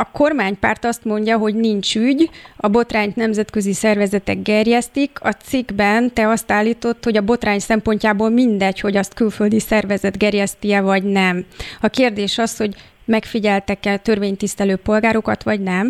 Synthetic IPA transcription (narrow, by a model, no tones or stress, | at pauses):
ɒko̞rmaːɲpaːrt̪ɒst̪mo̞ɲɟɒɦo̞ɟnint͡ʃyɟɒbo̞t̪raːɲt̪nɛmzɛt̪kø̞zisɛrvɛzɛt̪ɛɡɡɛrjɛst̪ikʰɒt̪siɡbɛnt̪ɛɒst̪aːlːiːt̪o̞t̪ːho̞ɟɒbo̞t̪raːɲsɛmpo̞ɲcaːboːlmind̪ɛcho̞ɟɒst̪kylfø̞ld̪isɛrvɛzɛd̪ɡɛrjɛst̪iɛvɒɟnɛmɒkeːrd̪eːʃɒsho̞ɟ | mɛkfiɟɛlt̪ɛkɛt̪ø̞rveːɲt̪ist̪ɛløːpo̞lɡaːɾo̞kɒt̪ʋɒɟnɛm